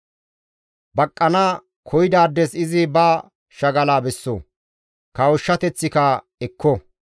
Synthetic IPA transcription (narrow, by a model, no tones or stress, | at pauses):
bɐkʼːɐnaː | kʰɔjɪd̪aːd̪ːɛsɪzɪbaː | ʃɐɡɐlaːbɛsːo̰ː | kɐwɔʃːɐt̪ɛt͡sːɪkɐ | ɛkːɔ